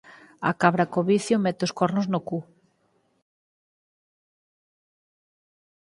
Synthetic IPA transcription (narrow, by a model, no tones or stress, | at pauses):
a̰kaβɾakoβiθjomɛt̪ɪoskɔɾnʊznoku